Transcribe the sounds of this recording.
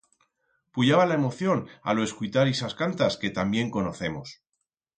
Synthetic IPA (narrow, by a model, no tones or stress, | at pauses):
puʎaβalae̞mo̞θjo̞na̰loe̞skujt̪aɾisaskant̪aske̞t̪ambje̞ŋko̞no̞θe̞mos